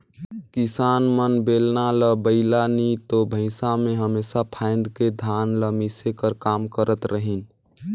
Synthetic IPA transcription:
kisanmənbeːlnaləbəɪlanit̪obʱə̃ɪ̃samẽɦəmesapʰãɪ̃nd̪ked̪ʱaːnləmisekəɾkaːmkəɾət̪ɾəɦin

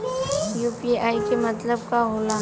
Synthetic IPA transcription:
juːpiaːikemɐt̪ləb̚kaɦoːlaː

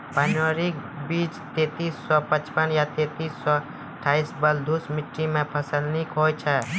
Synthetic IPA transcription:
panoɾik | biːt͡ʃt̪eːt̪iːsːɔpət͡ʃpənjat̪eːt̪iːsːɔ | əʈʰːaːisbəld̪ʱusmɪʈɾimẽpʰəsəlnikɦoːt͡ʃʰɛ

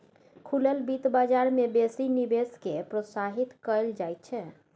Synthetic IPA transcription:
kʰuləlbit̪bad͡ʒaɾmebesinibeskepɾosaɦit̪kəld͡ʒajt̪̚t͡ʃʰɛ

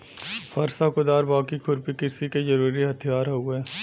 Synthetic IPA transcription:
fɐɾsakʊd̪aːɾbaːkikʰʊɾpikɪsikezɐɾuːɾiɦɐt̪ʰijaːɾɦueː

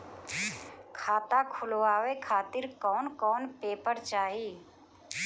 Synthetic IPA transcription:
kʰaːt̪aːkʰʊloaːʋeːkʰaːt̪ɪɾkɔːnkɔːnpeːpəɾt͡ʃaːɦiː

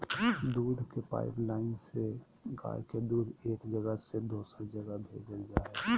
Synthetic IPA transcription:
d̪uːd̪ʱkepa̰ːɪplaːɪnse | ɡa̰ːjked̪uːd̪ʱeːkd͡ʒəɡəsed̪oːsəɾd͡ʒəɡəbʱeːd͡ʒəld͡ʒaː

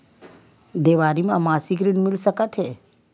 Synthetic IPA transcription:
d̪eːʋaːɾimẽɐmaːsikɾinmɪlsəkət̪ɦɛː

